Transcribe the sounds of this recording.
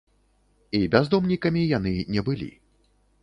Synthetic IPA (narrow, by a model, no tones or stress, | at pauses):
ibʲazd̪ɔmnʲikɐmʲijan̪ɨnʲɛbɨlʲḭ